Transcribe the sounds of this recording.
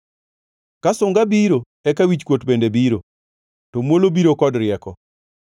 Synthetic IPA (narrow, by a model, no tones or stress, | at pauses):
kasʊŋɡabiɾo | ɛkawit͡ʃkwotbendebiɾo | tomwolobiɾokɔdɾɪɛkɔ